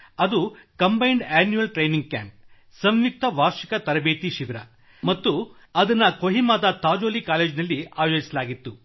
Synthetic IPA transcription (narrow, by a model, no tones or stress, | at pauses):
ɐd̪ukɐmbɐjɳɖaːnjuɐlʈɾejniŋɡ̚ka̰ːmp̚ | sɐmʋik̚t̪ɐʋaːɾʂikɐt̪ɐɾɐbeːt̪iʃiʋiɾɐ̰ | mɐt̪ːu | ɐd̪ɐnːɐkoɦimaːd̪ɐt̪aːd͡ʒoːlikaːleːd͡ʒnɐlːia̰ːjoːd͡ʒisɐlaːɡit̪ːu